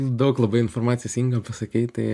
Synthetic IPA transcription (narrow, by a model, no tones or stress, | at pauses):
d̪ɐʊklˠɐbɐɪɪnformɑːt̪sʲɪɛsʲiŋɡɐpɐsɐkʲiɪt̪ɐɪ